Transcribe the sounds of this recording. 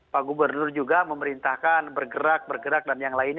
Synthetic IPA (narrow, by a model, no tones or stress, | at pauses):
paɡubərnʊrd͡ʒuɡaməməɾint̪ahkanbərɡəɾak̚bərɡəɾak̚danjaŋlaɪn